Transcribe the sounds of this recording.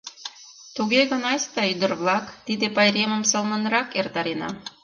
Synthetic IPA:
t̪uɡʲeɣɤ̆nɑsʲt̪ɑyd̪ɘ̆rβlˠɑkt̪id̪ĕpɑjɾʲemə̆msɤ̆lˠnɤ̆nɾɑkert̪ɑɾinɑ̰

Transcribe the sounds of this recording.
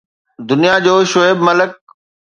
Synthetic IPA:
d̪ʊnijad͡ʑoːʃoebmɐlək̚

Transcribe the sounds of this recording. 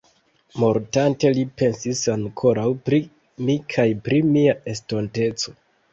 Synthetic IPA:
mo̞ɾtante̞lipe̞nsisaŋkʰo̞ɾawpɾi | mikʰajpɾimiae̞sto̞nte̞t͡so̞̥

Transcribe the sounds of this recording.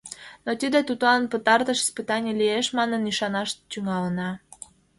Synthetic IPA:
not̪id̪ət̪ut̪lɑnpət̪ɑrt̪əʃi̥spɨt̪ɑnʲelieʃmɑnəniʃɑnɑʃt̪yŋɑlənɑ

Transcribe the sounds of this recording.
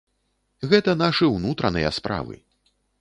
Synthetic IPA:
ɣɛt̪ɐn̪aʂɨwnut̪ɾɐnɨjɐ̰spɾa̰vɨ̰

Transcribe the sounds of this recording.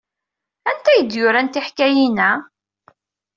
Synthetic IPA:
ænt̪æjəd̪jʊɾænt̪iħkæjinæ

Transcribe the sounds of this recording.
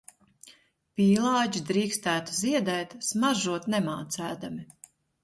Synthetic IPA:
piːlˠɑːɟid̪ɾiːkst̪æːt̪uziɛd̪ɛːt̪smaʒuɔt̪nɛmaːt̪sæːd̪ami

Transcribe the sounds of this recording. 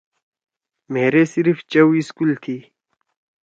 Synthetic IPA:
meːɾesiɾft͡ɕɐwiskult̪ʰiː

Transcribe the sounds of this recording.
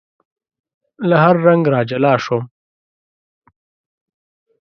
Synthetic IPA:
laɦaɾːaŋɡɾɑːd͡ʒɐlɑːʂom

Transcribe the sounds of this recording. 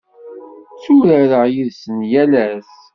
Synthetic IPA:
t͡sːuɾəɾəʁjiðsənjælæθ

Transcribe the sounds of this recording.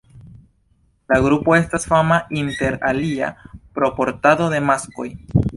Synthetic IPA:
laɡɾupo̞e̞stasfamainte̞ɾalia̰pɾo̞po̞ɾtado̞de̞masko̞̰j

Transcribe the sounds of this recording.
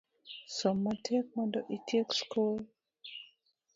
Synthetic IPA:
sɔmatʰek̚mɔ̃ndɔʔitʰekskul

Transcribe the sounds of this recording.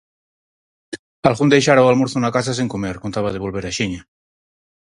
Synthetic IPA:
alɣund̪ejʃaɾaowalmoɾθunakas̬aseŋkomeɾkont̪aβaðeβ̞olβeɾaʃiɲa

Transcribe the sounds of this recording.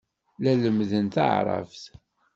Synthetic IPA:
læləmðənt̪ə̰ʕɾˤɑ̰fθ

